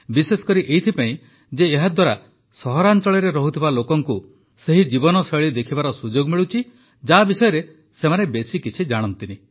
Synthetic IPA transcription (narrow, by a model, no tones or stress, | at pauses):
bisesɔ̥kɔɾiʔejt̪ʰipaĩ | d͡ʒeːɦad̪waɾa | sɔɦɔɾant͡ʃɔɭɔɾeɾɔɦut̪ʰibalokɔŋku | seɦid͡ʒibɔnɔsɔɭid̪ekʰibaɾɔsud͡ʒoɡmiɭut͡ʃʰi | d͡ʒabisɔjɔɾe | semanebesikit͡ʃʰid͡ʒaɽ̃ɔnt̪ini